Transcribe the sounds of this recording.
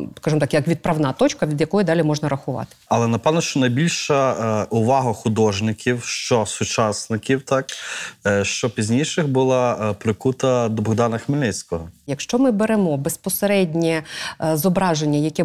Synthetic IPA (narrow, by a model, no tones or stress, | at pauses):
skɑʒɨmɔt̪ɑkjɐkʋʲid̪̚pɾɐʋnɑt̪ɔt͡ʃkɐʋʲid̪jɐkɔjʊd̪ɑlʲimɔʒnɐɾɐxʊʋɑ̰t̪ɪ̥ɐlˠɛnɐpɛwnɐʃt͡ʃɔnɐjbʲilʲʃɐʔʊʋɑɦɐxʊd̪ɔʒnɪkʲiwʃt͡ʃɔsʊt͡ʃɑsnɪkʲiwt̪ɑk | ʃt͡ʃɔpʲizʲnʲijʃɪxbʊlˠɑpɾɪkut̪ɐd̪ɔbɔɣd̪ɑnɐxmɪlʲnɪt͡sʲkɔɦɔjɐkʃt͡ʃɔmɪbeɾemɔbespɔseɾɛdʲnʲɛzɔbɾɑʒenʲːɐjɐkɛ